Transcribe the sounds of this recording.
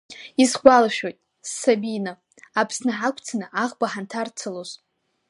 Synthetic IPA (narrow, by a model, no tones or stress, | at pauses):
isɡʷalaʃᶣo̞jtʼ | sːabinɨ | apʰsnɨħakʷʰʼt͡sʰanɨʔaʁbaħantʰart͡sʰɨloz̥